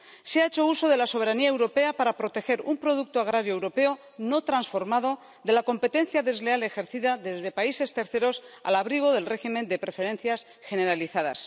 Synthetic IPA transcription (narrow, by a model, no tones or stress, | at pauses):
seaet͡ʃo̞uso̞ðe̞laso̞β̞e̞ɾaniaewɾo̞pe̞apaɾapɾot̪e̞xe̞ɾumpɾo̞ðuk̚t̪oaɣ̞ɾaɾjoewɾo̞pe̞o | no̞t̪ɾansfo̞ɾmaðo̞ | ðe̞lako̞mpe̞t̪e̞nθjaðe̞zle̞ale̞xe̞ɾθiðaðe̞zðe̞paise̞st̪e̞ɾθe̞ɾo̞sa̰laβɾiɣ̞o̞ðe̞lre̞ximẽ̞nd̪e̞pɾe̞fe̞ɾẽ̞n̟θjas | xe̞ne̞ɾaliθaða̰s